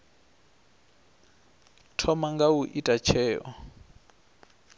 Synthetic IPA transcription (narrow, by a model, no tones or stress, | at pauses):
tʰɔmaŋɡawuʔitʼat͡ʃʰɛːʔɔ̰